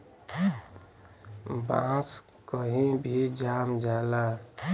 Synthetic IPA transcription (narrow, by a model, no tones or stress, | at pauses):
bã̰ːs | kəɦĩbʱid͡ʒaːmd͡ʒaːla